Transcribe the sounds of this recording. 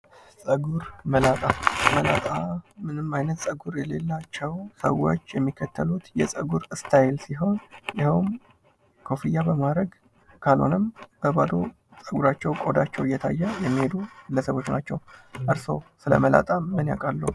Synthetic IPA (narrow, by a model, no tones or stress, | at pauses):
sʼəɡuɾməlat̪ʼaməlat̪ʼamɨnɨmajnət̪sʼəɡuɾjɛlelːat͡ʃːɛwsə̰wːo̰t͡ʃːjɛmːikʰːət̪ʰːəlut̪jɛsʼəɡuɾɨst̪ʰajɪlsiɦo̞njɪhwn | kʰo̞fijabəmad̪ɾəɡ | kʰalo̞̰nɨmb̥əbad̪o̞̰ | sʼəɡuɾat͡ʃːɛwkʼo̞d̪at͡ʃːɛwɨjːɛt̪ʰa̰jːɛjɛmːihe̞d̪uɡɨlːəsəβo̞t͡ʃːnat͡ʃːɛwʔɨɾso̞̰sɨlə̰məla̰t̪ʼamənja̰kʼalːu